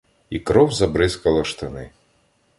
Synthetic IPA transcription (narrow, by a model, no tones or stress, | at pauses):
ikɾɔwzɐbɾɪskɐlˠɐʃt̪ɪnɪ